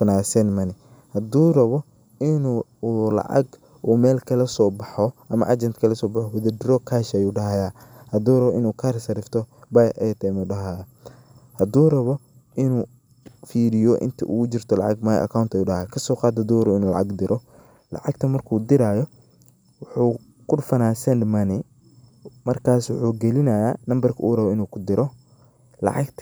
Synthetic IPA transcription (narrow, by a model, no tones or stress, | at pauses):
fɐnaːsɛnmɐnɪ | hɐd̪uːrɐβɔ | ɪnuːlɑ̰ʕɑ̰ɡ | ʔuːmɛːlkʰɐlɐsɔːbɑħɔʔɐmɐ̰ʔɐd͡ʒɛnt̪kʰɐlɐsɔːbɑħɔwɐðɐɖɪɾɔkʰaːʃɐjuːɖɐɦɐjaːhɐd̪uːrɐβɔʔɪnuːkʰarsɐɾɪft̪ʰɔbɐjʔɛt̪ʰɛmɛɖɐɦaj | hɐd̪uːrɐβɔ | ʔɪnuː | fiːɾɪjɔʔɪ̰nt̪ʰɐʔṵːʊt͡ʃɪrt̪ʰɔlɑ̰ʕɑɡmɐj̰ʔɐ̰kʰawnt̪ɐjuːɖɐhajkʰɐsɔːqɑːd̪hɐd̪uːɾɐɪnuːlɑ̰ʕɑ̰ɡd̪ɪɾʔɔ | lɑ̰ʕɑɡt̪ʰɐmɐrkʰuːd̪ɪɾaːjɔ | wʊħuː | kʰʊɖfɐnaːsɛnmɐnɪ | mɐrkʰaːswʊħuːɡɛlɪnɐjaːnɐmbɐrkʰɐʔuːrɐβɔɪnuːkʰʊd̪ɪɾʔɔ | lɑ̰ʕɑɡt̪ʰɐ